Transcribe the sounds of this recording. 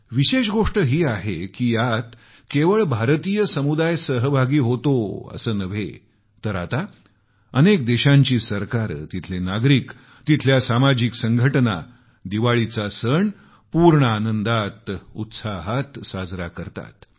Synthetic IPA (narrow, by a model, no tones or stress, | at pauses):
ʋiɕeɕɡoʂʈəɦiːaɦekiːjat̪ | keʋəɭbʱaɾt̪ijəsəmud̪ajsəɦəbʱaɡiːɦot̪oə̰səːnəʋ̤ḛ | t̪əɾat̪a | ənek̚d̪eɕãɲt͡ɕiːsəɾkaɾt̪it̪ʰlenaɡɾiːk | t̪it̪ʰljasamad͡ʑiksəŋɡʱəʈna̰ | d̪iʋaɭit͡sasəɳ | puɾɳəanənd̪at̪ṵt̪saɦat̪sad͡zɾakəɾt̪a̰t̪